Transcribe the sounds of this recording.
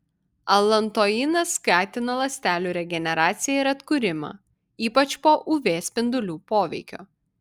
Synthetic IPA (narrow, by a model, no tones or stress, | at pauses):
ɐlˠɐnt̪oːinɐskɑːt̪ʲɪnɐlˠɐsʲt̪ʲæːlʲuːɾʲɛɡʲɛnʲɛɾɑːt̪sʲɪjɛɪɾɐt̪kʊɾʲɪmɑ̰ | iːpɐt͡ʃpoːʔʊʋʲeːsʲpʲɪnd̪ʊlʲuːpoːʋʲɛ̰ɪkʲo̰ː